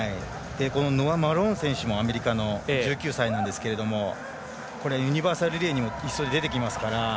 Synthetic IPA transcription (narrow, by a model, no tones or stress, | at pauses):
ai | d̪̥e̞ko̞no̞no̞amaɾõ̞ɰ̃sẽ̞ɰ̃ɕɨmo̞ame̞ɾʲikano̞d͡ʑɨːkʲɨːsainãnd̪e̞sɨ̥ke̞ɾe̞d̪o̞mo̞ | ko̞ɾe̞ajɯ̟ɲ̟ibaːsaɾɯ̟ɾʲeːɲ̟imo̞isːo̞d̪ed̪e̞t̪e̞k̬ʲimasɨ̥kaɾa